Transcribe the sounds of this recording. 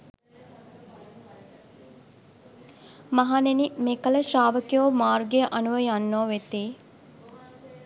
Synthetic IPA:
maɦanenimeːkələʃaːʋəkijoːmaːrɡeʔanuʋəjanːoːʋet̪eː

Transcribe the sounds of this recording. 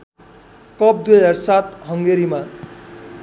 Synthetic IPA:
kʌp̚d̪wuaɾsat̪ɦʌŋɡeɾima

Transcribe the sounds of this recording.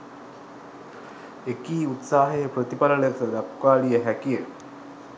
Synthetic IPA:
ekiːut̪saːɦejəpɾət̪ipaləɭet̪əd̪akkaːlijəɦækijə

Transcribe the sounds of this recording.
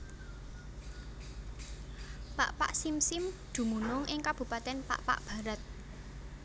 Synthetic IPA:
pa̰ʔpa̰ʔsimsɪmd̪̥ṳmunʊŋʔɪŋkab̥ṳpat̪ɛnpa̰ʔpa̰ʔb̥ä̤ɾat̪̚

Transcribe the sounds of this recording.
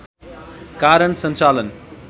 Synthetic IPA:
kaːɾəɳsʌnt͡ʃalən

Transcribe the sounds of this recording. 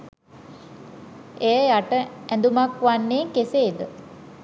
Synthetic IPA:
ejəjaʈəɛnd̪umakʋanːeːŋkeseːd̪ə

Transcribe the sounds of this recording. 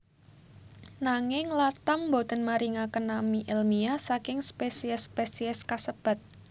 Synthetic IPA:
naŋɪŋlat̪ambod̪ə̤nmaɾiŋakənamiʔelmiasakɪŋspesiɛspesiɛskasəb̥a̤t̪̚

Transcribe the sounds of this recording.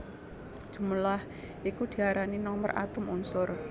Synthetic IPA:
d̥ʒ̥ṳməlah | ikud̪̥i̤aɾaninɔmərʔa̰t̪ʊmunsʊr

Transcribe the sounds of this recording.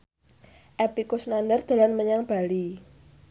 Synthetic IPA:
ʔɛpikʊsnandərd̪̥a̤lanməɲaŋb̥ali

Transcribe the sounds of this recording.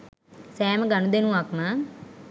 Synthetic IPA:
sɛːməɡanud̪enuʋakmə

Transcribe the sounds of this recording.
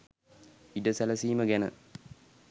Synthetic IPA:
idəsæləsiːməɡænə̰

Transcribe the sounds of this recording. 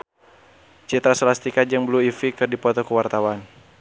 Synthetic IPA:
t͡ʃit̪ɾasəlast̪ikad͡ʒaŋbəluifikɨrdipɔt̪ɔkəwart̪awan

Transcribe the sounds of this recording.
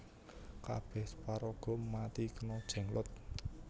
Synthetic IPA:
ka̰b̥ɛhspaɾɔɡ̥ɔ̤mat̪ikənɔd̥ʒ̥ɛ̤ŋlʊt̪̚

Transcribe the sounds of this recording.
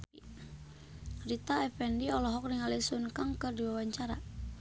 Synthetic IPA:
rit̪aɛfɛndiɔlɔɦɔk̚niŋalisunkaŋkɨrdiwawaɲt͡ʃaɾa̰

